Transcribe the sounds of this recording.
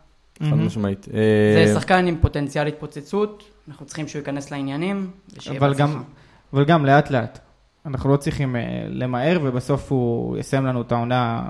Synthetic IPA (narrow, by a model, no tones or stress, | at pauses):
admaʃmait̪ezesaχkanimpo̞t̪ent͡sialit̪̚pot͡set͡sut̪ | anaχnutt͡sʁ̥i̥χimʃeuikane̞sleinjanimveʃvalɡam | avalɡamle̞atle̞at | anaχnulo̞t͡sʁiχimḛle̞mae̞ʁve̞baso̞fhujḛsajemlanuetaona